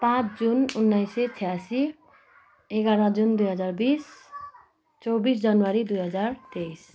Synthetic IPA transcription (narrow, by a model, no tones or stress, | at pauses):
pãt͡sʰd͡zununːʌjset͡sʰijasi | eɡaɾʌ̃d͡zund̪ujɦʌd͡zarbis | t͡sʌwbisd͡zʌnwaɾid̪ujɦʌd͡zart̪ejs